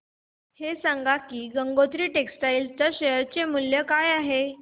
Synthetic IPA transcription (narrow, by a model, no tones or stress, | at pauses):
hesãŋɡakiːɡəŋɡot̪ɾiːʈeksʈaiːlt̪əɕeəɾt͡ɕemuljəkajaɦe